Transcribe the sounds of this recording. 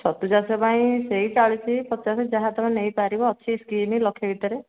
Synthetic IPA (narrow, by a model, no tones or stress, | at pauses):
sɔt̪ud͡ʒasɔpaĩseɦit͡ʃaɭit͡ʃʰipɔtːt͡ʃased͡ʒaɦãt̪ɔmẽnejpaɾibɔːt͡ʃʰiskimilɔkʰebʱit̪ɔɾe